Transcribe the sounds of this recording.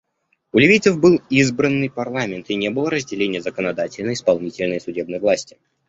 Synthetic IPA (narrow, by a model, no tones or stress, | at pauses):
ʊlʲɪvijt̪səfbɨlˠizbɾənːɨjpɐrlˠamʲɪnt̪ɪnʲebɨlˠəɾəzʲdʲɪlʲenʲɪjəzəkənɐd̪atʲɪlʲnəɪspɐlˠnʲitʲɪlʲnəjəsʊdʲe̞bnəjəvlˠasʲtʲɪ̥